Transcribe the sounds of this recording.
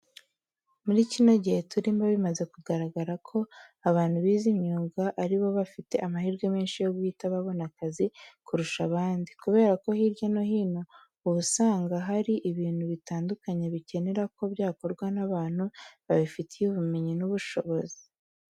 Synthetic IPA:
muɾicino̞ɟihe̞tʰuɾiːmbaβimaze̞kuɡaɾaɡaɾakʰo̞aβaːn̥huβiːzimɲuːɡaʔaɾiβo̞βafite̞ʔamahiːɾɡwemeːnʃijo̞ɡuiːtaβaβo̞nakazikuɾuʃaβaːndikuβe̞ːɾako̞hiɾjano̞hiːno̞ | uβusaːŋɡaɦaɾiʔiβiːn̥huβitaːndukaɲe̞βice̞ne̞ɾako̞bjaːko̞ɾɡwanaβaːn̥huβaβifitʰijuβume̞ɲinuβuʃo̞βo̞zi̥

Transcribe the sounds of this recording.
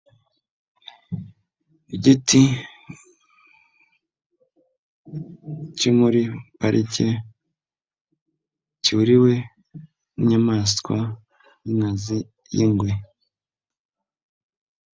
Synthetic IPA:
ɟiti | cimuɾipaɾʔice | ciuɾiwe̞ | muɲamaːskwa | jiŋazi | jiŋɡwe

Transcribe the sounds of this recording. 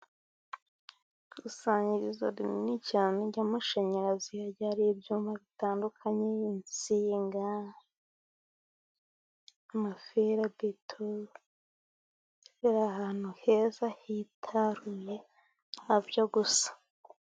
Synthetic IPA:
ɡusaːɲɟiɾiza̰dinicianeɟamaʃeɲeɾazijaɟaɾijebjuːmbaβitaːndukʰaɲeint͡siːŋɡa | mafeɾadetʰo | eɾahaːn̥huhe̞ːzahitʰaɾuje | abjoɡusḁ

